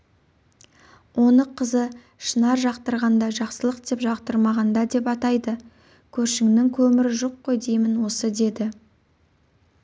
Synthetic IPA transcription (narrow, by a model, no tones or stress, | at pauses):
wʔo̞nəqʰəzə | ʃənɑɾʒɑqt̪əɾʁɑnd̪ɑʒɑqsəlˠəqd̪e̞pʒɑqt̪əɾmɑʁɑnd̪ɑd̪e̞pɑt̪ɑjd̪ə | kʲʰɵɾʃɪŋnɪŋkʲʰɵmɪɾɪʒo̞qːo̞jd̪e̞jmɪnwo̞səd̪e̞d̪ɪ